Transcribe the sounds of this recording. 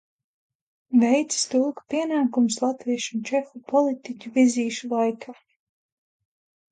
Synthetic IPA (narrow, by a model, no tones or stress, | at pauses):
vejt̪sst̪uːkpiɛnaːkumslˠat̪viɛʃunt͡ʃɛxupɔlˠit̪icʲuviziːʃulˠajkʰaː